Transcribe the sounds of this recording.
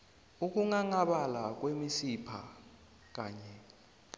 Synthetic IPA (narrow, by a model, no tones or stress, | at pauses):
uk̬ʼuŋaŋaɓalak̬ʼwemisipʰa̰ | k̬ʼaːɲɛ